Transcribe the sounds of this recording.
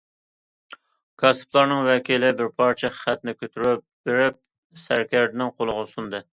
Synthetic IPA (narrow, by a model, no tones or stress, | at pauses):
kʰɑsɨ̥plˠɑɾnɨŋwɛkʲʰilɪbɪɾpʰɑɾt͡ʃʰɛχə̥χɛt̪nɪkʲʰøt̪ʰyɾyp̚b̥eɾɪp̚ | sæɾkʲæɾd̪ɪnɪŋqʰolˠʊʁʊsund̪ɨ